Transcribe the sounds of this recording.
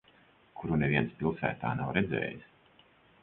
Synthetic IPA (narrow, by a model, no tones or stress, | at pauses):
kʰuɾunevʲiɛnspʲilˠsæ̰ːt̪aːna̰wɾɛd̪zɛ̰ːjis